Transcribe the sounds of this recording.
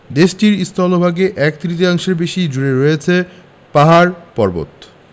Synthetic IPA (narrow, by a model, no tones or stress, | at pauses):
d̪eʃʈiɾist̪ɔlobʱaɡeʔɛk̚t̪ɾit̪̬iaŋʃeɾbeʃid͡ʑuɾeɾojet͡ɕʰe | paɦaɾpɔɾbo̰t̪